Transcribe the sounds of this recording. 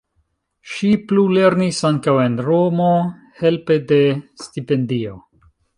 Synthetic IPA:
ʃiplule̞ɾnisaŋkawe̞nɾo̞mo | he̞lpe̞de̞stipe̞ndio̞

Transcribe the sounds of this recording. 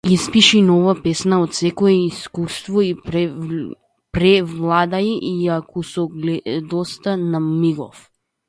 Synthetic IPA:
ispiʃinɔvapɛsnaot̪sɛkɔɛiskust̪vɔi | pɾɛvlˠad̪aiʔiakɔsɔɡlɛd̪ɔst̪anamiɡɔ̰f

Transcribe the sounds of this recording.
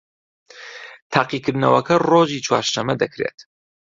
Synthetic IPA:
t̪ʰaːqikʰɨɾd̪nɐwɐkʰɐroːʒiːt͡ʃʰwa̰ːɾʃɐmːɐd̪ɐkɾeːt̪

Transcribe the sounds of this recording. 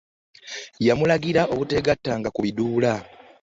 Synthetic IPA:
jamulaɡiɾaʔo̞βute̞ɡatːaːŋɡakuβiduːla

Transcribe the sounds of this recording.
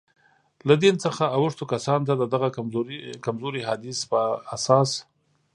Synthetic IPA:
lad̪int͡səxaːwʊʂt̪okasɑnt̪̬ad̪əd̪aɣakamzoɾiɦad̪ɪspəasɑs

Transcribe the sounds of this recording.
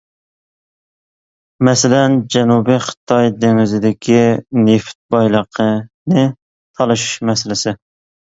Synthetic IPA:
mɛsɪlɛnd͡ʒɛnubiχə̥t̪ʰɑjd̪eŋɪzɪd̪ɪkʲʰineft̪̚bɑjlˠəqʰənɨ | t̪ʰɑlˠɨʃu̥ʃmɛsɪlɪsɪ

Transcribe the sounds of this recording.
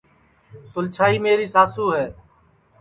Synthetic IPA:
t̪ʊlt͡ʃʰaːiːmeːɾiːsaːsuːɦɛː

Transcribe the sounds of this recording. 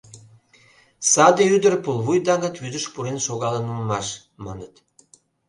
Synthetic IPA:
sɑd̪ɤyd̪ərpulˠvujd̪ɑŋɑt̪vyd̪ə̆ʃpuɾenʃoɣɑlˠə̆nummɑʃ | mɑnɤ̆t̪

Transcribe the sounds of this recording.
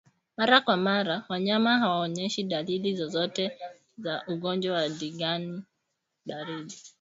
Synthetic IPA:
maɾakwamaɾawaɲamaɦawaɔɲɛʃiɗalilizɔzɔtɛ | zaʔuɡɔnd͡ʒwawaɗiɡani | ɓaɾiɗi

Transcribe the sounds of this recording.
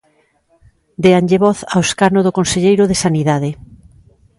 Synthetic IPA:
d̪eanʎeβɔθaoskanoðokonseʎejɾoðesaniðaðe

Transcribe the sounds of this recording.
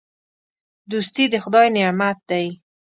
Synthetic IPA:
d̪ust̪id̪əxʊd̪ɑjnɪmat̪̚d̪aj

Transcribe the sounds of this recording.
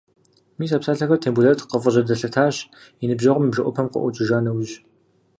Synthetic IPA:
miːs̬aːpsaːɬɐxɐtʰeːmbuɮɐtʰqəfʼəʑɐdɐɬɐtʰaːɕ | inɨbʒɐʁʷʊmɨbʒɐʔʷɔpʰɐmqə̰ʔʷʊt͡ʃʼɪʒaːnɐwʒ

